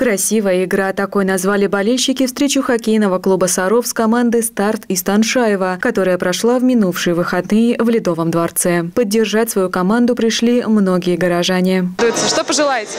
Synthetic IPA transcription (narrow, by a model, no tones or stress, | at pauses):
kɾɐsʲivəjəɪɡɾat̪ɐko̞jnɐzvalʲɪbɐlʲelʲɕːɪkʲɪfst̪ɾʲet͡ɕʊxɐkʲejnəvəklˠubəsɐɾofskɐmand̪ɨst̪art̪ist̪ɐnʂajɪvəkɐt̪o̞ɾəjəpɾɐʂlˠavmʲɪnufʂɨjəvɨxɐd̪nɨjɪvlʲɪd̪o̞vəmd̪vɐrt̪sɛpədʲːɪrʐatʲsvɐjukɐmand̪ʊpɾʲɪʂlʲimno̞ɡʲɪjəɡəɾɐʐanʲɪd̪ʊjɪt̪səʂt̪opəʐɨlˠajɪtʲ